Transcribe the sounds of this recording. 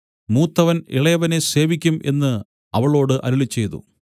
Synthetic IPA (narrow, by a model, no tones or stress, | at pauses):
muːt̪ːɐʋɐnḭɭɐjɐʋɐne̞se̞ːʋikʲːumʔe̞̰nːɨ | ɐʋɐɭo̞ːɽɨʔɐ̰ɾuɭit͡ɕːe̞jt̪ṵ